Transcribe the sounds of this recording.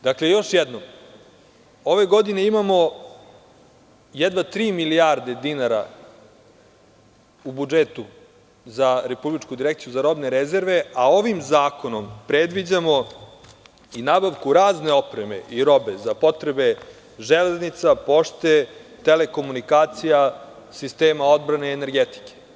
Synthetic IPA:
d̪̥akle̞jo̞ʃjɛd̪nom | o̞ʋe̞ɡo̞d̪ine̞imamo̞ | jed̪ʋat̪ɾiːmiliaɾd̪e̞d̪inaɾa̰ | ubud͡ʒet̪u | zaɾe̞publit͡ʃkud̪iɾekt̪ijuzaɾo̞bne̞ɾeze̞ɾʋe̞ao̞ʋimzaːko̞no̞mpɾed̪ʋid͡ʑamo | inabaʋkuɾaːzne̞o̞pɾeme̞̰ʔiɾo̞be̞zapo̞t̪ɾebe̞ | ʒeleznit̪sapo̞ʃt̪et̪ele̞ko̞munikaːt̪sija | sist̪eːmao̞d̪̚bɾane̞ːne̞ɾɡet̪i̥ke̥

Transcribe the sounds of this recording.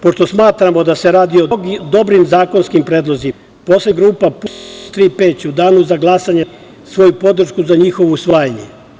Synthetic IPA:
po̞ʃt̪o̞smaːt̪ɾamo̞d̪aseɾaːd̪iod̪o̞bɾimzaːko̞nskimpɾeːd̪lˠo̞zi | po̞sleɡɾuːpaput̪ɾiːpeːt͡ɕud̪aːnuzaɡlˠasaɲe | sʋo̞jupo̞d̪ɾ̩ʃkuzaɲixo̞ʋousʋaːjaɲḛ

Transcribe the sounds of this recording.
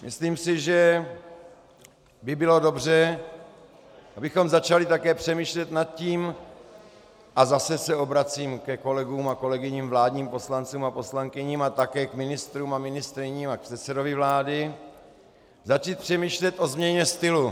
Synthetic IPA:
mɪ̰sliːmsɪʒɛ | bɪbɪlo̞do̞br̝ɛ | ʔabɪxo̞mzat͡ʃalɪt̪akɛːpr̥ɛmiːʃlɛt̪nat̪̚ciːm | ʔazasɛsɛo̞bɾat͡siːmkɛko̞lɛɡuːmako̞lɛɡɪɲiːmvlaːdɲiːmpo̞slant͡suːmapo̞slaŋkɪɲiːmat̪akɛːkmɪnɪst̪ɾuːmamɪnɪst̪ɾɪɲiːmak̚pr̥ɛt̪sɛdovɪvlaːdɪ | zat͡ʃiːt̪̚pr̥ɛmiːʃlɛt̪ʔo̞zmɲɛɲɛst̪ɪlu

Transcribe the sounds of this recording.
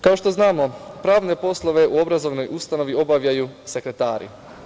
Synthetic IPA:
kao̞ʃt̪o̞znaːmo̞pɾaːʋne̞po̞slˠo̞ʋe̞ʔuo̞bɾazo̞ʋno̞just̪ano̞ʋio̞baʋʎajuse̞kɾe̞t̪aːɾḭ

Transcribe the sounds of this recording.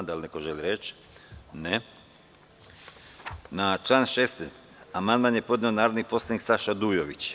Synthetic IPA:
d̪alnekoʒeliɾet͡ʃ | ne | nat͡ʃlˠaːnʃest̪en | amand̪manjepo̞d̪neonaːɾod̪nipo̞slˠaniksaʃad̪uːjoʋit͡ʃ

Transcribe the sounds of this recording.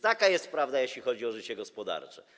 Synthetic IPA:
t̪akajɛst̪̚pɾavd̪ajeɕlʲixɔd͡ʑiɔʐɘt͡ɕɛɡɔspɔd̪a̰ɾt͡ʂɛ

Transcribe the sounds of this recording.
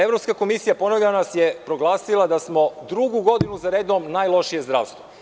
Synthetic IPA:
e̞vɾo̞pskako̞misijapo̞noʋʎʲanasjepɾo̞ɡlˠaːsilˠad̪asmo̞d̪ɾuɡuɡo̞d̪inuzaɾeːd̪omnajlˠo̞ʃije̞zd̪ɾaːʋst̪vo

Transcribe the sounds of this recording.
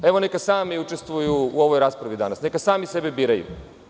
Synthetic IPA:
eʋo̞nekasaːmiut͡ʃe̞st̪ʋujuːo̞ʋo̞jɾaːspɾaʋid̪anasne̞kasaːmisebebiːɾajṵ

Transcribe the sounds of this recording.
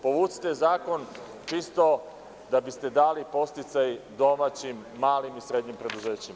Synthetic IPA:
po̞ʋut̪si̥t̪ezaːko̞n | t͡ʃist̪o̞ | d̪abist̪e̞d̪aːlipo̞st̪it̪sajd̪o̞maːt͡ɕimːaːlimisɾe̞d̪ɲimpɾe̞d̪uze̞ːt͡ɕim

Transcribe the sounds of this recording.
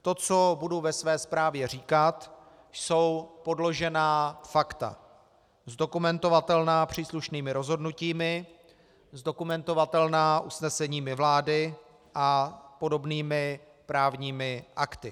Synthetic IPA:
t̪o̞t͡so̞buduvɛsvɛːspɾaːvjɛr̝iːkat̪ | so̞wpo̞dlo̞ʒɛnaːfakt̪a̰ | zdo̞kumɛnt̪o̞vat̪ɛlnaːpr̝̥iːsluʃniːmɪɾo̞zɦo̞dnuciːmɪ | zdo̞kumɛnt̪o̞vat̪ɛlnaːʔusnɛsɛɲiːmɪvlaːdɪ | ʔapo̞do̞bniːmɪ | pɾaːvɲiːmɪʔakt̪ɪ

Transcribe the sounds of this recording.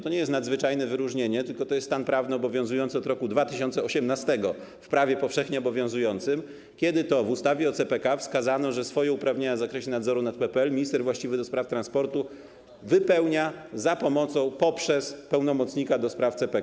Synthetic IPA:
t̪ɔɲɛjɛst̪nad̪zvɘt͡ʂajnɛvɘɾuʐɲeɲɛt̪ɘlkɔt̪ɔjɛst̪st̪anpɾavnɘɔbɔvʲjɔ̃w̃zujɔnt̪sɔd̪ɾɔkud̪vat̪ɘɕɔnt̪sɛɔɕɛmnast̪ɛɡɔ | fpɾavʲjɛpɔfʂɛxɲɛɔbɔvʲjɔ̃w̃zujɔnt̪sɘm | kʲɛd̪ɘt̪ɔvust̪avʲɛɔt̪sɛpɛkafskazanɔʐɛsfɔjɛupɾavɲeɲavzakɾɛɕɛnad̪zɔɾunat̪̚pɛpɛɛlmʲiɲist̪ɛɾvwaɕt͡ɕivɘd̪ɔspɾaft̪ɾanspɔɾt̪u | vɘpɛwɲazapɔmɔt̪sɔ̃w̃pɔpʂɛspɛwnɔmɔt̪sɲikad̪ɔspɾaft̪sɛpɛ

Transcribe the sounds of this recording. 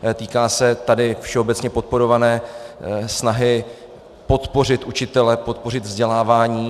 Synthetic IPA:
t̪iːkaːsɛt̪adɪfʃɛo̞bɛt̪t͡sɲɛpo̞t̪̚po̞ɾo̞vanɛː | snaɦɪ | po̞t̪po̞r̝ɪt̪ʔut͡ʃɪt̪ɛlɛpo̞t̪̚po̞r̝ɪd̪vzɟɛlaːvaːɲiː

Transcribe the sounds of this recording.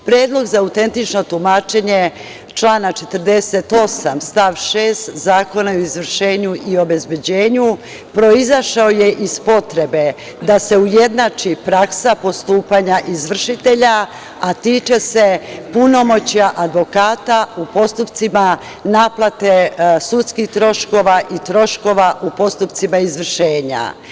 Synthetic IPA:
pɾjeːd̪lo̞ɡzaauwt̪e̞nt̪it͡ʃno̞t̪umaːt͡ʃe̞ɲe | t͡ʃlˠaːnat͡ʃet̪ərd̪e̞set̪o̞samst̪aʋʃeːst̪zaːko̞naoizʋr̩ʃe̞ːɲuʔio̞be̞zbe̞d͡ʑe̞ːɲu | pɾo̞izaʃaojeʔizpo̞t̪ɾe̞be̞ | d̪ase̞uje̞d̪nat͡ʃipɾaksapo̞st̪uːpaɲaʔizʋr̩ʃit̪e̞ʎa | at̪iːt͡ʃe̞se̞puno̞mo̞t͡ɕaʔad̪ʋo̞kaːt̪aupo̞st̪upt̪sima | naːplˠat̪esut̪skixt̪ɾo̞ʃko̞ʋaʔit̪ɾo̞ʃko̞ʋaʔupo̞st̪upt̪simaizʋr̩ʃe̞ːɲa̰

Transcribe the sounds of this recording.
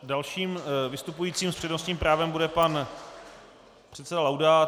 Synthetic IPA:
dalʃiːmvɪst̪upujiːt͡siːmspr̝̥ɛdno̞sɲiːmpɾaːvɛmbudɛpan | pr̥ɛt̪sɛdalawda

